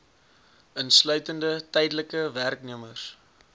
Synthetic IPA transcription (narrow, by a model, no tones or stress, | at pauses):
ənslœɥtəndətɛjdələkəværkniəməs